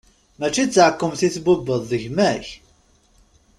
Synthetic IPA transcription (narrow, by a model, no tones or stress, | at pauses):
mæt͡ʃːit͡sːʕəkːəmθiθbʊbəðˤːəʝmæç